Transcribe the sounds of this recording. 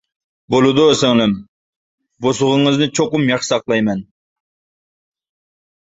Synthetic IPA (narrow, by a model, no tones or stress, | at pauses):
bolˠɨd̪ʊsɪŋlˠɪm | bosʊʁʊŋɨznɪt͡ʃʰoqʊmjɑχʃɨ̥sɑqlˠɑjmɛn